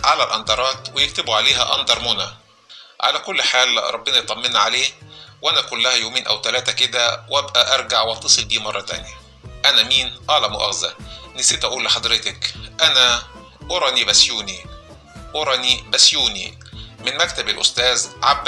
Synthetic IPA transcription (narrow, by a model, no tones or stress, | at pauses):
ʕalælʔɑnd̪ˤɑɾˤɑːt̪wejɪk̚t̪ɪbuʕaleːɦæʔɑ̰nd̪ˤɑɾˤmʊnæ | ʕa̰lækʊlːħaːlɾˤʔɑbːenɑjet̪ˤɑmːenʕaleːwʔænækʊlːæhæjoːmeːnʔæ̰wt̪ælæːt̪æked̪æwʔæbʔæʔɑɾˤɡaʕwʔæt̪ːesˤɨld̪iːmɑrˤːɑt̪æ̰njæ | ʔænæmiːnʔæːlæmʊʔæ̰xzæ̰nɪsiːt̪ʔæʔuːlːɪħɑd̪ˤɾɪt̪ɪkʔænæ | ʔoɾˤɑnibæsjuːni | ʔoɾˤɑnibæsjuːnḭ | mɪnmæk̚t̪æbælʔʊ̰st̪æːzʕabː